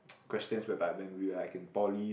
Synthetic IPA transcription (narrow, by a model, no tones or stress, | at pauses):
kʰw̥ɛstə̃nswɛbatwɛ̃nwiəlaɪkɪ̃npɔli